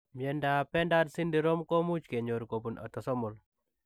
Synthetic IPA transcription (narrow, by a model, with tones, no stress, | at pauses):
mje˨nda˨pɛ˦nda˦dsi˦ndi˦ɾo˦mko˦mu˦t͡ʃke˨ɲo˨ɾko˨bu˨na̰˨t̪ɔ˨sɔ˦mʊ˨l